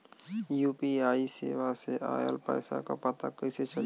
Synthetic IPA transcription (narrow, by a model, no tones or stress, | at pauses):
juːpiaːiseːʋaseʔa̰ːjə̰lpɛ̰ːsa̰ka̰pət̪akəɪset͡ʃə